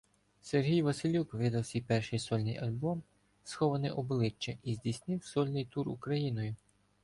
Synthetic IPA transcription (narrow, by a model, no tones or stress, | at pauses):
serɦʲijʋɐsɪlʲukʋʲid̪ɐwsʲijpɛrʃɪjsɔlʲnɪ̰jɐlʲbɔm | sxɔʋɐnɪʔɔblˠɪt͡ʃːɛʔizʲdʲisʲnɪwsɔlʲnɪjt̪uɾṵkɾɐjinɔjʊ